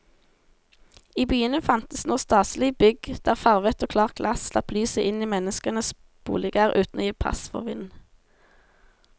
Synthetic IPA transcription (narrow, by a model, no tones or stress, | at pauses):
iːbyːənəfɑnt̪əsnoːst̪ɑːslɪbʏɡd̪̥æːʁfɑʁʋət̪oːkʰlɑːʁɡ̥lʔɑsslɑ̰plyːsəʔɪniːmɛnəskənəs | b̥ṵːlɪɡæːʁʔʉ̰ːt̪nɔ̰jiːpʰɑ̰sfɔ̰ʁʋɪnn